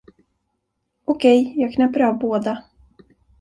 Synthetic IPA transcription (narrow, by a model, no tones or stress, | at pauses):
ɔkʰɛjjɑːɡkʰnɛpːəɾavboːd̪a